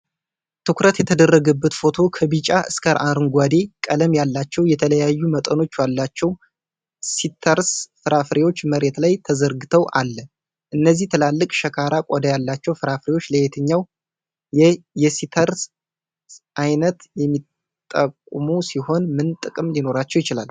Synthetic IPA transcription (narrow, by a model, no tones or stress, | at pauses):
t̪ʰɨkɾət̪jɛt̪ʰəd̪ərːəɡəbːət̪fo̞t̪ʰo̞kʰəbit͡ʃʼaʔɨskʰəɾʔaɾɨŋɡʷad̪e̞kʼələmjalːat͡ʃːɛwjɛt̪ʰələjajːumət̪ʼəno̞t͡ʃːwalːat͡ʃːɛw | sit̪ʰəɾsfɨɾafɾewo̞t͡ʃːməɾe̞t̪lajt̪ʰəzəɾɡɨt̪ʰəwʔalːə | ʔɨnːəzːiht̪ʰəlalːɨkʼʃəkʰaɾakʼod̪ajalːat͡ʃːɛwfɨɾafɾewo̞t͡ʃːləjet̪ʰɨɲːaw | jjɛsit̪ʰəɾs | ʔajnət̪jɛmːit̪ʼː | əkʼːmusiho̞nmɨnt̪ʼɨkʼɨmlino̞ɾat͡ʃːɛwjɪt͡ʃɪla̰l